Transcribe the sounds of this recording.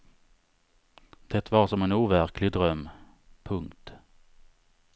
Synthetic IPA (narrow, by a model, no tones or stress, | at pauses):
d̪̥ɛt̪vaʂɔmɛnuːvæɾkʰlɪɡd̪ɾœmː | pʰɵŋkt̪